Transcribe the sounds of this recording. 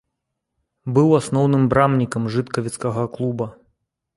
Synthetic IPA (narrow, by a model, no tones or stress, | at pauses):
bɨwasnɔwnɨmbɾamnʲikɐmʐɨt̪kɐvʲit̪skɐɣɐklˠubɐ